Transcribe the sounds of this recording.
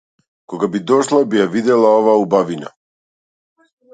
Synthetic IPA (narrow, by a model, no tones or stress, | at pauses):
kɔɡabid̪ɔʃlˠabijavid̪ɛlˠaovaubavina̰